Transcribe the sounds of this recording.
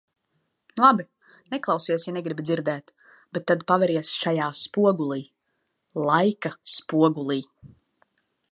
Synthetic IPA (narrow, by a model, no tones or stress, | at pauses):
lˠabi | nɛklˠawsiɛsjanɛɡɾibid̪ziɾd̪ɛːt̪ | b̥ɛt̪ːad̪pavɛɾiɛsʃajaːspuɔɡulˠiː | lˠajkaspuɔɡulˠiː